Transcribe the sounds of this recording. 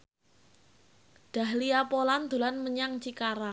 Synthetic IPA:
d̥a̤hliapoland̪̥o̤lanməɲaŋt͡ʃikaɾa

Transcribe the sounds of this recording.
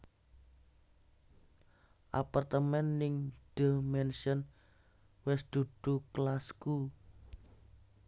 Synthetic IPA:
ʔa̰part̪əmɛnːɪŋɖ̥əmɛnʃən | wɪsd̪̥ṳd̪̥uklasku

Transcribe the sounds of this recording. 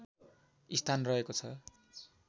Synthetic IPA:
ist̪ʰanrʌɦekot͡sʰʌ

